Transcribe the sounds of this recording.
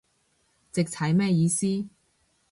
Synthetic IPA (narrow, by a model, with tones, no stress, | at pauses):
t͡sɪ˨k̚t͡sʰɐ˨˥jmɛː˥jiː˧siː˥